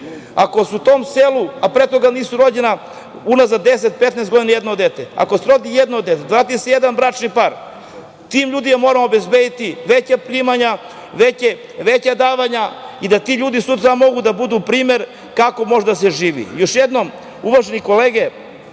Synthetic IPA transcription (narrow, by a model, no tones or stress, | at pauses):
ako̞suut̪o̞ːmseluapɾet̪oɡaniːsuɾo̞d͡ʑena | unazad̪eset̪̚pet̪nest̪ɡo̞d̪inaje̞d̪nod̪et̪ea̰kosɾo̞d̪ijed̪nod̪ːet̪evɾaːt̪̬isejed̪anbɾat͡ʃnipaɾ | t̪imʎuːd̪imamo̞ɾamobezbed̪it̪iʋet͡ɕapɾiːmaɲa | ʋet͡ɕe | ʋet͡ɕad̪aːʋaɲaid̪at̪iʎuːd̪isut̪ɾamo̞ɡud̪abud̪upɾiːme̞ɾ | kako̞mo̞ʒed̪aseʒiːʋḭjo̞ʃjed̪nom | uʋaʒeniko̞leːɡe